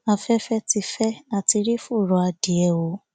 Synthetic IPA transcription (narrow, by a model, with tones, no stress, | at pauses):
a˧fɛ˦fɛ˦ti˧fɛ˦a˦˨ti˧ɾi˦fu˦˨ɾɔ˧˦a˧di˨ɛ˧wo˧˦